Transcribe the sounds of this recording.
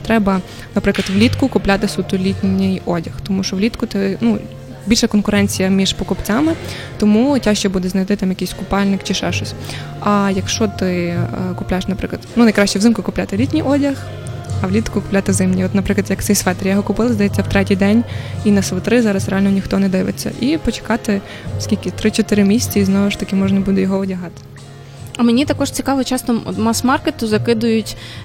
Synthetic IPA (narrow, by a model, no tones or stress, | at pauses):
t̪ɾɛbɐ | nɐpɾɪklˠɐdt̪ʋlʲit̪kʊkʊplʲat̪ɪsut̪ʊlʲitʲnʲɪjɔdʲɐxt̪ɔmuʃɔʋlʲit̪kʊt̪ɛnu | bʲilʲʃɐkɔnkʊɾɛnʲt͡sʲijɐmʲiʒ̥pɔkɔpt͡sʲamɪ | t̪ɔmutʲaʃt͡ʃɛbud̪ɛznɐjt̪ɪt̪ɑmjɐkijsʲkʊpɑlʲnɪkt͡ʃɪʃɛʃɔsʲ | ɐjɐkʃt͡ʃɔt̪ɪkʊplʲaeʃnɐpɾɪklˠɐd̪nunɐjkɾɑʃʲt͡ʃɛwzɪmkʊkʊplʲat̪ɪlʲitʲnʲijɔdʲɐx | ɐwlʲit̪kʊkʊplʲat̪ɪzɪmnʲiɔt̪nɐpɾɪklɐd̪jɐkt̪sɛjsʋɛt̪eɾʲjɔɦɔkʊpɪlˠɪzd̪ɐjɛt͡sʲːɐwt̪ɾɛtʲijd̪ɛnʲinɐsʋɪt̪ɾɪzɑɾɐsɾeɑlʲnɔnʲixt̪ɔnɛd̪ɪʋɪ̰t͡sʲːɐ̰ʔipɔt͡ʃe̥kɑt̪ɪ | skʲilʲkɪt̪ɾɪt͡ʃɔt̪ɪɾɪmʲisʲt͡sʲɐiznɔʋɪʃt̪ɐkʲɪmɔʒnɐbud̪ɛjɔɦɔɔdʲɐɦɑt̪ɪ̥ | ɐmenʲit̪ɐkɔʃt͡sʲikɑʋɔt͡ʃɑsnɔɔ̰t̪masmɑrket̪ʊzɐkɪd̪ʊjʊtʲ